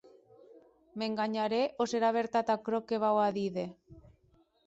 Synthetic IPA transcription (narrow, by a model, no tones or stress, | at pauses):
meŋɡaɲaɾeʔoseɾaβ̞eɾt̪at̪akɾokeβ̞awaðiðe